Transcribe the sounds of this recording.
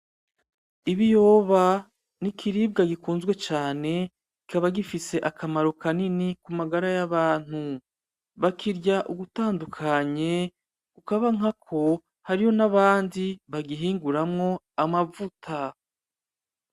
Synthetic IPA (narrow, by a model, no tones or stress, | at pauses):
iβijo̞ːβa | nikʰiɾib̚ɡaɡikuːnzɡwe̞t͡ʃaːne̞ | ɡikaβaɡifise̞ʔakamaɾo̞kaninikumaɡaɾajaβaːn̥hu | βakiɾɟaʔuɡutaːndukʰaɲe̞ | kukaβaŋakʰo̞ | haɾiho̞naβaːndiβaɡiɦiːŋɡuɾamŋo̞ | amavutʰa